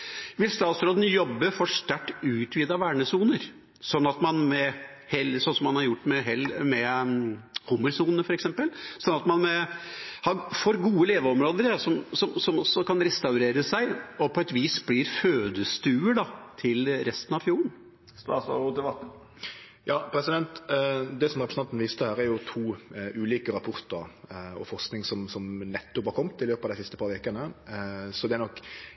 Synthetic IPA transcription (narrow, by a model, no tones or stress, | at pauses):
ʋɪlst̪ɑːt̪sɾoːd̪n̩jɔbːəfɔʂt̪æʈːʉːt̪ʰʋiːd̪ɑʋæːɳəsuːnəɾ | sɔnːɑt̪mɑnmɛ | hɛlsɔnsɔmːɑnhɑɾjʊʈːmɛɦɛlmɛ | huːməɾsuːnənəfɔɾɛksɛmpəlsɔnːɑt̪mɑnmɛhɑɾfɔɾɡuːəleːʋəɔmɾoːd̪əɾsɔmsɔmsɔmɔsɔkɑnɾɛst̪ɑʉɾeːɾəsæɪɔpʰɔɛt̪ʋiːsblɪɾføːd̪əst̪ʉːəɖɑt̪ʰɪlɾɛst̪ənɑʋfjuːɾəɳn | st̪ɑ̰sɔ̰ɾut̪ɪlʋɑt̪n̩ | jɑːpʰɾɛsɪd̪ɛnt̪d̪ɛsɔmɾɛpɾə̥sɑnt̪n̩ʋiːst̪əhæːɾæɾjʊt̪ʰuːʉːliːkəɾɑpʰɔɾt̪əɾɔ̰fɔɾsknɪŋsɔmsɔmnɛt̪ːɔpɑɾkʰɔmːt̪ɪløːpɑʋd̪æɪsɪst̪əpʰɑɾʋeːkənə | sɔd̪ɛæɾnɔkː